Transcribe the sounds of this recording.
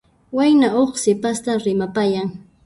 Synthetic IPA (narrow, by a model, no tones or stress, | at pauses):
wajnaoχsɪpast̪aɾɪmapajaŋ